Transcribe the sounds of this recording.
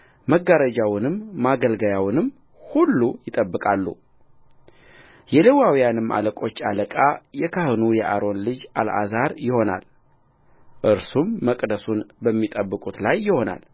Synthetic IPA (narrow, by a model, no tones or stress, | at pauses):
məɡaɾəd͡ʒawnɨmːaɡəlɡəjawnɨm | hulːujɪt̪ʼəbːɨkʼalːṵ | jɛlewawijanɨmːʔa̰ləkʼo̞t͡ʃːaləkʼajɛkʰahɨnujɛʔaɾo̞nlɨd͡ʒa̰la̰zaɾjɪho̞na̰l | ʔɨɾsumːəkʼd̪əsunbəmːit̪ʼəbːɨkʼut̪lajːɪho̞na̰l